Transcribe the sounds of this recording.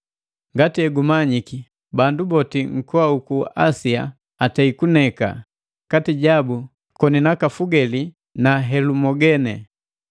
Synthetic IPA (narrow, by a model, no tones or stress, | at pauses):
ŋɡatiɛɡumaɲiki | bandubɔtiŋ̩kɔaukuasia̰ | atɛikunɛka̰ | katiɟabu | kɔninakafuɡɛli | naɦɛlumɔɡɛnɛ